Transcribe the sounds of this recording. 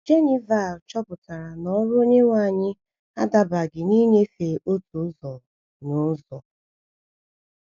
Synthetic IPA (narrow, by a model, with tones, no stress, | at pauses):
d͡ʒe˦ni˨va˦˨lt͡ʃɔ˦pʊ˨ta˨ɾa˨nɔ˨˦ɾʊ˦o˦ɲe˦ŋʷa˦˨ɲɪ˦ | a̰˦da˨ba˨ɡɪ˨ni˦ɲe˦fe˨ʔo˦tu˨˦zɔ˨ | nʊ˨˦zɔ˨